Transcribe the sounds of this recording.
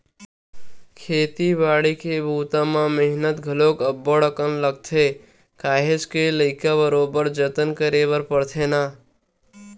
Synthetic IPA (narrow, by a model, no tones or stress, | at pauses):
kʰeːt̪ibaːɽikebʱuːt̪ãmãmeɦnət̪ɡʱəloːkəbːoɽəkənləɡ̚t̪ʰe | kaːɦet͡ʃkeləɪkabəɾoːbəɾd͡ʒət̪ənkəɾeːʋəɾpəɽt̪ʰenaː